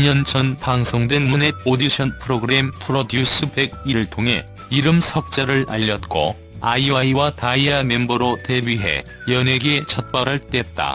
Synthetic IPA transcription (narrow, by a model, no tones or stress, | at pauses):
ɲʌnt͡ɕʰʌnpaŋsʰoŋdwenmuned̚odiɕʰʌnpʰɯɾoɡɯɾempʰɯɾodjus͈ʰɯbe̞ɡiɾɯɭtʰoŋɦe̞ | iɾɯmsʰʌk̚t͡ɕ͈aɾɯɭa̰ʎːʌt̚k͈o̰ | aiaiwataiamembʌɾote̞bɥiɦe̞̰ | jʌne̞ɡe̞t͡ɕʰʌt̚p͈aɾɦaɭt͈et̚t͈a̰